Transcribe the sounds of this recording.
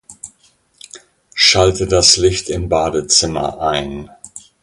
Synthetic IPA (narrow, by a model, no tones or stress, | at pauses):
ʃaltədaslɪçtɪmbaːdət͡sɪmɐ̰ʔaɪn